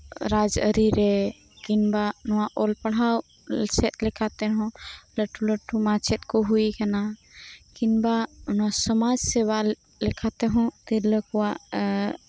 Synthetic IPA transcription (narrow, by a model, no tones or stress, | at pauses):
ɾad͡ʒə̰ɾiɾe | kinbanɔwaʔolpəɽ̤aw | t͡ʃʰet̪̚lekʰat̪eɦũləʈʰːuləʈʰːumãt͡ʃʰet̪koɦuikanakinbanasəmad͡ʒseβa | lekʰat̪eɦũt̪iləkuwa